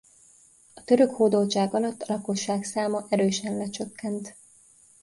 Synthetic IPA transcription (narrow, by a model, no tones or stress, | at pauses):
ɒt̪ø̞ɾø̞khoːd̪olt͡ʃaːɡɒlɒt̪ːɒlɒko̞ʃːaːksaːmɒʔɛɾøːʃɛnlɛt͡ʃø̞kːɛnt̪